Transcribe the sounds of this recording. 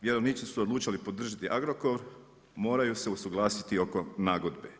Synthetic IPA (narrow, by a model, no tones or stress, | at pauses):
ʋje̞ɾo̞ʋnit͡ʃisuod̪lˠuːt͡ʃalipo̞d̪r̩ʒit̪iʔaɡɾoko̞ʋɾ | mo̞ːɾajuse̞usuɡlˠaːsit̪io̞ko̞naːɡo̞d̪be